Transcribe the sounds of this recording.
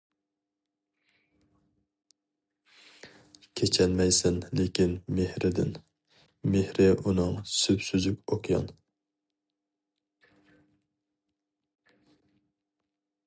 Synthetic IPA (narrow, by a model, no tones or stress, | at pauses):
kʲʰet͡ʃʰɛnmɛjsɪnlekʲinmehɾɪd̪ɪ̰n | mehɾɪʔunɨŋsypsyzyp̚ʲoqʰjɑ̰n